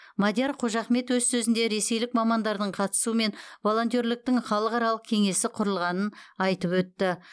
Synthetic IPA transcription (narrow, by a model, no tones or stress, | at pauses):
mad̪ʲjaɾqʰoʒɑχme̞t̪wɵzsɵzɪnd̪e̞ɾe̞se̞jlɪk̚mɑmɑnd̪ɑɾd̪əɴqʰɑt̪ə̥suəme̞nvo̞lˠo̞nt̪jo̞ɾlɪk̚t̪ɪŋχɑlˠəqɑɾɑlˠəq̚kʲʰe̞ŋe̞sɪqʰʊɾəlˠʁɑnənɑjt̪əpwɵt̪ːɪ